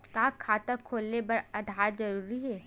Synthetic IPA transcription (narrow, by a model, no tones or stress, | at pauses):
kaːkʰaːt̪əkʰːoːlnepɐɾɐd̪ʱaːzɐɾuːɾiɦɛː